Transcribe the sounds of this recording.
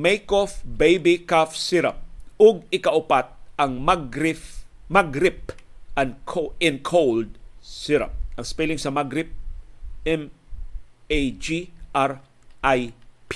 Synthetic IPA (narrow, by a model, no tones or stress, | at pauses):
mejkofbejbikafsiɾɐ̰p̚ʊɡ̚ɪkɐʔʊpat̪̚ɐŋmaɡɾɪf | maɡɾɪp̚ʔɐŋkʰoɛnkʰowld̪̚sɪɾɐ̰p̚ʔɐŋspɛlɪŋsɐmaɡɾɪp̚ | ɛm | ejd͡ʒiʔaɾ | ʔajp